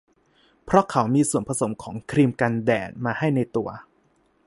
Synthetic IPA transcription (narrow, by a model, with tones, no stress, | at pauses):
pʰɾɔ˦˥kʰa˩˦wmiː˧su˨˩ənpʰa˧so˩˦mkʰɔː˩˦ŋkʰɾiː˧mka˧ndɛː˨˩t̪̚maː˧ha˥˩jna˧jt̪u˧ɐ